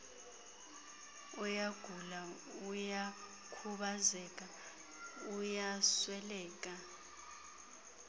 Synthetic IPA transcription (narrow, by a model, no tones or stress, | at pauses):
ɔjaɡ̥ʱula | uja | kʰuɓazɛk̬ʼa | ujaswɛlɛːk̬ʼa